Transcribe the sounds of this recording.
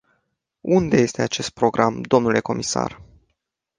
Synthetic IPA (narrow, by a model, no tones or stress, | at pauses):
und̪e̞je̞st̪e̞at͡ʃe̞st̪̚pɾo̞ɡɾʔamd̪o̞mnule̞ko̞misa̰r